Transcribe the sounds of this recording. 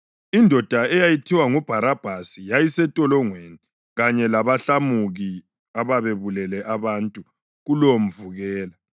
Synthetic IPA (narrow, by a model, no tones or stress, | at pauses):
indʱɔd̥ʱaɛjajitʰiwaŋub̥ʱaɾab̥ʱasijajisɛtʼɔlɔŋweni | ɣaɲɛlaβaɬamuɣi | aβaβeβulɛlɛʔaβantʼu | ɣulom̩vuɣɛːla